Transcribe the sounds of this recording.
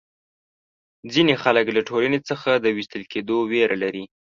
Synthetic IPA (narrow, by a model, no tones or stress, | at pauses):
d͡zinexaləklaʈʰolanet͡səxad̪əwist̪əlkʰed̪oweɾalaɾi